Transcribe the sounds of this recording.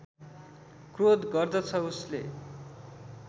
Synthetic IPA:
krod̪ɡʌrd̪ʌt͡sʰʌusle

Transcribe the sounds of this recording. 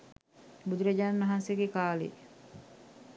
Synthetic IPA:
bud̪uɾɐd͡ʒaːnɐɦanseɡekaːlḛ

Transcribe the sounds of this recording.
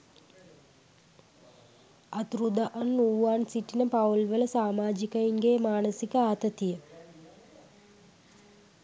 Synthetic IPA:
at̪ɾud̪aʔɐnːuːansiʈinəpawlʋələsaːmaːd͡ʒikəiŋɡeːmaːnəsikəaːt̪ət̪ijə

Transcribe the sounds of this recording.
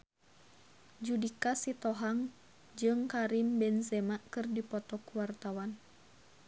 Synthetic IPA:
d͡ʒudikasit̪ɔɦaŋ | d͡ʒɨŋkaɾimbɛnzɛmaʔkɨrdipɔt̪ɔkuwart̪awan

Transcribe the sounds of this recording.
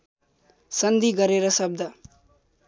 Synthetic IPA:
sʌnd̪ʱiɡʌɾeɾʌsʌb̚d̪ʱa

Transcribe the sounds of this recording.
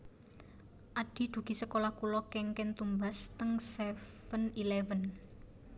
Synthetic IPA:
ʔaɖ̪̥i̤d̪̥ṳɡ̥i̤səkolahkulɔkɛŋkɛnt̪umbast̪əŋsɛfənilɛvən

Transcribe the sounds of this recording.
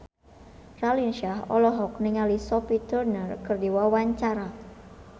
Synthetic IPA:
ralinʃaɦɔ̰lɔɦɔk̚niŋalisɔpit̪ərnərkɨrdiwawaɲt͡ʃaɾa

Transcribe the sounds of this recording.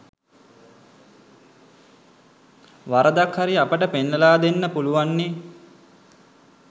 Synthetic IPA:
ʋaɾəd̪akhaɾiapəʈəpenːəlaːd̪enːəpuluʋanːe

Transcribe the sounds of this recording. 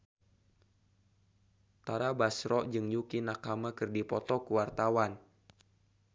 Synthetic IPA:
t̪aɾabasɾɔʔd͡ʒɨŋjukinakamakɨrdipɔt̪ɔkuwart̪awan

